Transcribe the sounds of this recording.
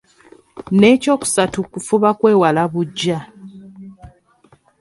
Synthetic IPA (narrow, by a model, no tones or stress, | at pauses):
ne̞ːco̞ːku̥satukufuβakwe̞ːwalaβuɟːa